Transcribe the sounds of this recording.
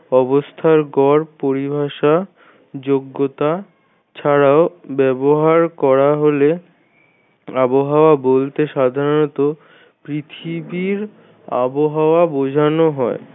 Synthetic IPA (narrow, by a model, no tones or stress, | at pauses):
ɔbost̪ʰaɾɡɔɾpoɾibʱaʃa | d͡ʑoɡːot̪a | t͡ɕʰaɾaobɛboɦaɾkɔɾaɦole | aboɦaoabolt̪eʃad̪ʱaɾont̪o | pɾit̪ʰibiɾ | a̰boɦaoabod͡ʑʱanoɦɔe